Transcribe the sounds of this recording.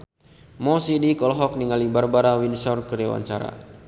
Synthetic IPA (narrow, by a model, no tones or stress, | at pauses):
mɔsidikɔlɔɦɔk̚niŋalibarbaɾawinsɔrkəɾiwa̰ɲt͡ʃaɾa̰